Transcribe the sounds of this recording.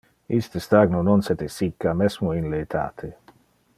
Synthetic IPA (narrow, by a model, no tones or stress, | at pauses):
ist̪əst̪aɡnononset̪esikːamesmoinleːt̪ʰa̰ːt̪ʰe